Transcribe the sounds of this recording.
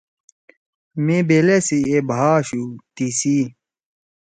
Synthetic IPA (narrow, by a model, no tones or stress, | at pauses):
mebelesiebʱaːɕut̪isi